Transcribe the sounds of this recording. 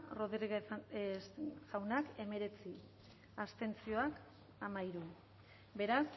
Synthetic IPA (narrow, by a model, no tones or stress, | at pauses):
roðrɣ | sawnake̞me̞ɾe̞t͡si | ast̪e̞nt͡sio̞ak | amaiɾu | be̞ɾas